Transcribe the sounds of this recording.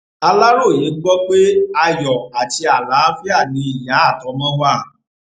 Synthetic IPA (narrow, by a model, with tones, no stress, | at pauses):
a˧la˦ɾo˦˨je˨˦ɡ͡bɔ˦k͡pe˦a˧jɔ˨a˨ti˧˦a˨la˨˦fi˦a˦˨nĩ˧˦i˨jã˨˦a˦˨tɔ˨˦mã˦wa˦˨